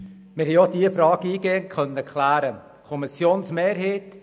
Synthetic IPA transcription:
mɪɾhɛjod̥iːəfɾɑːɡiːɡeːənkʰχœnːəəkχlæːɾə | kʰɔmɪsjoːnsmeːɾɦeːt

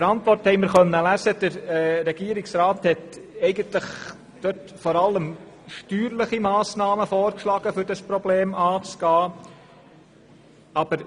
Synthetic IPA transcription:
əɾɑnt̪ʋɔrthɛɪməɾχœnːəlæzəd̥əɾɾɛɡ̥iːɾiksɾaːthɛt̪ɛɪɡəntləχ | d̥̪øtfɔɾɑlːəm | ʃtyːɾləχimɑːsnɑːməfɔːɾkʃlɑːɡ̥əfʏɾdɑspɾɔbleːmɑːt͡sɡ̥ɑː | ɑb̥əɾ

